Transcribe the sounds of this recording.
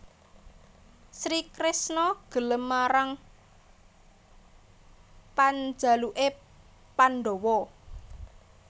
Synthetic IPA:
sɾikɾɪsnɔɡ̥ə̤ləmːaɾaŋ | pand͡ʒ̥a̤luʔe | panɖowɔ

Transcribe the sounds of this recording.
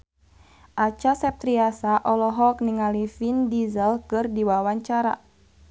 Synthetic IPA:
ʔat͡ʃasɛp̚t̪ɾiasaʔɔlɔɦɔk̚niŋalifindizəlkɨrdiwawaɲt͡ʃaɾa̰

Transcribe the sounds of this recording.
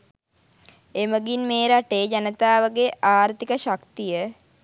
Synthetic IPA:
eməɡinmeːɾaʈeːd͡ʒanət̪aːʋəɡeʔaːɾt̪ikəʃakt̪ijə

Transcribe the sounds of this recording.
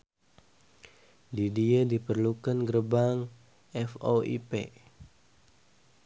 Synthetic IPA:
didiədipərlukanɡəɾəbaŋ | ɛfoḭpḛ

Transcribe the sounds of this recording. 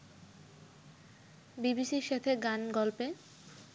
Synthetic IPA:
bibisiɾʃet̪ʰeɡanɡɔlpe

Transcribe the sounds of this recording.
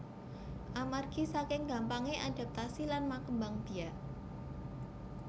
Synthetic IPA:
ʔamarɡ̥isakɪŋɡampaŋeʔad̥a̤p̚t̪asilanmakəmbaŋb̥i̤aʔ

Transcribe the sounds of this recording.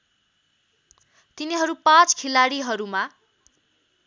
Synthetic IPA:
t̪iniɦʌɾupãt͡skʰilaɽiɦʌɾuma

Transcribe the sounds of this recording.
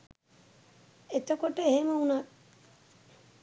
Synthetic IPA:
et̪əkoʈəeɦeməunak

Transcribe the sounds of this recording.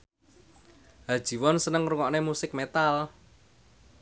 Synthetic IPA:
ɦad̥ʒ̥i̤wɔnsənəŋruŋɔʔnemusɪk̚met̪al

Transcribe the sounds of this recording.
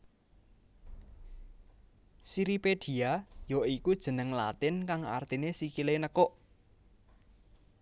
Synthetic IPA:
siɾipeɖ̥i̤ajɔikud̥ʒ̥ə̤nəŋla̰t̪ɪnkaŋa̰rt̪inesikilenəkɔʔ

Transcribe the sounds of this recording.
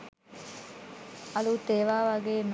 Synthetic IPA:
ɐluːt̪eːʋaːʋaɡeːn

